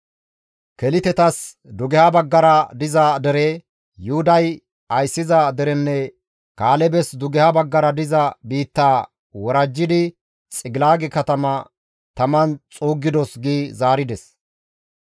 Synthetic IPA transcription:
kɛlɪt̪ɛt̪ɐs | d̪ʊɡɛhɐbɐɡːɐɾɐd̪ɪzɐd̪ɛɾɛ | jʊhʊd̪ɐj | ɐjsːɪzɐd̪ɛɾɛnːɛ | kaːlɛbɛsd̪ʊɡɛhɐbɐɡːɐɾɐd̪ɪzɐbiːt̪ːaː | wɔɾɐd͡ʒːɪd̪ɪ | t͡sʼɪɡɪlaːɡɛkɐt̪ɐmɐ | t̪ɐmɐnt͡sʼuːɡːɪd̪ɔsɡiːzaːɾɪd̪ɛs

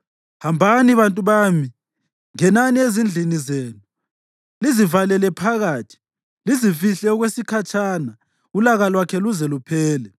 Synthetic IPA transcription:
hambʱaniβantʼuβami | ŋɛnaniezind͡ɮʱinizeːnu | lizivalɛlɛpʰaɣaːtʰi̥ | lizifiɬɛɔɣwesikʰat͡ʃʼaːna | ulaɣalwakʰɛluzɛlupʰɛːlɛ

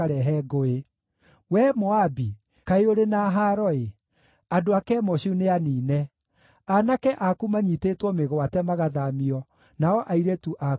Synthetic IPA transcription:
aɾɛɦɛɡoe | wɛmɔabi | kaeoɾenaɦaɾɔe | adoakɛːmɔɕuneaniːnɛ | anakɛʔakumaɲitetwɔmeɣɔatɛmaɣaðamiɔ | naɔʔaiɾetuʔa

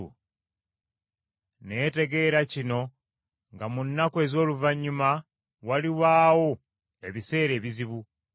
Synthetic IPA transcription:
ṵ | ne̞ːte̞ɡe̞ɾacino̞ | ŋɡamunːakwe̞ːzo̞ːluvaɲːuma | waliwaːwo̞ | e̞βise̞ːɾe̞ːβiziβu

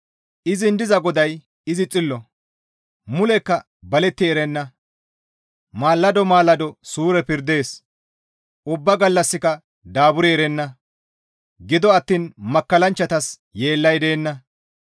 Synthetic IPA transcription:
ʔɪzɪnd̪ɪzɐɡɔd̪ɐj | ɪzɪt͡sʼɪlːɔ | mʊlɛkːɐ | bɐlɛt̪ːɪɛɾɛnːɐ | maːlːɐd̪ɔmaːlːɐd̪ɔsuːɾɛpɪɾd̪e̞ːs | ʔʊbːɐɡɐlːɐsːɪkɐ | d̪aːbʊɾiɛɾɛnːɐ | ɡɪd̪ɔɐt̪ːiːnmɐkːɐlɐnt͡ʃːɐt̪ɐs | jeːlːɐjd̪e̞ːnːɐ

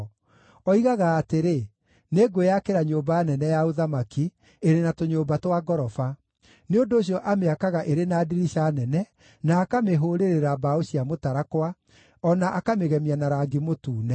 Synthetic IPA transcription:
ɔiɣaɣaːteɾe | neɡwojakeɾaɲobaanɛnɛjaoðamaki | eɾenatoɲoːmbatwaɡɔɾɔfa | neondoːɕ̬jɔʔameakaɣaʔeɾenaːdiɾiɕanɛnɛ | naːkameɦoːɾeɾeɾabaoɕiamotaɾakwa | ɔnaʔakameɣɛmianaɾaɡimotuːnɛ

